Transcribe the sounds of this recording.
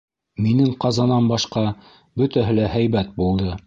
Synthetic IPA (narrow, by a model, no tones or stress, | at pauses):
minɘŋqɑzɑnɑnbɑʃqɑ | bɵ̆t̪æɦɘlæhæjβæt̪̚bulˠd̪ɤ